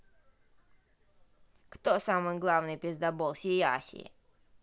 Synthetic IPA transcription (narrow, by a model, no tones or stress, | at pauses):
kt̪osamɨjɡlˠavnɨjpʲɪzd̪ɐbolˠsʲɪa̰sʲɪ̰